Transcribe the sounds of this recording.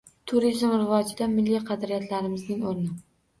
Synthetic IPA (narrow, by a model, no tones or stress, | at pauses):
t̪ʰʊɾizmɾɪvɒd͡ʒɪd̪amɪlːijqʰɑd̪ɾijat̪ʰlaɾɪmɪznɪŋoɾnɪ